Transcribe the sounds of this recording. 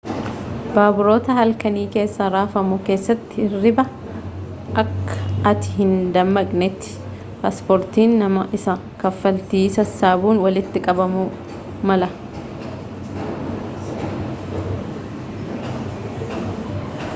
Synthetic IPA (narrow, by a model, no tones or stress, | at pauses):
b̥aːbʊɾo̞ːt̪ɐhɐlkɐniːke̞ːsːɐɾaːfɐmʊke̞ːsːɐt̪ːɪrːɪbɐ | ʔɐkːɐ̥ʔɐt̪ɪ̥ɦɪnd̪ɐmːɐkʼnɛt̪ːɪ̥ | paːspoːɾt̪iːnːɐmɐʔɪsɐ | kɐfːɐlt̪iːsɐsːaːbuːnwɐlɪt̪ːɪkʼɐbɐmu | mɐlɐ